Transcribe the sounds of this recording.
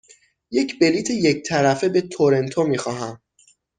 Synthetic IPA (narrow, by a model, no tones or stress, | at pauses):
je̞cbe̞liːt̪ʰeje̞c̚t̪ʰæɾæfe̞be̞t̪ʰoɾe̞nt̪ʰomiːxɒːɦæm